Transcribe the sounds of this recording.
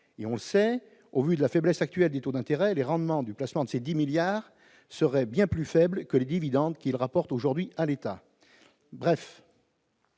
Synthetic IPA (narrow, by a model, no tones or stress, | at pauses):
eɔ̃ləsɛ | ovyd̪əlafɛblɛsak̚t̪ɥɛld̪et̪od̪ɛ̃t̪eʁɛleʁɑ̃d̪mɑ̃d̪yplasmɑ̃d̪əsed̪imiljaːʁ | səʁɛbjɛ̃plyfɛblkəled̪ivid̪ɑ̃d̪kʲilʁapɔʁt̪oʒuʁd̪ɥialet̪a | bʁɛf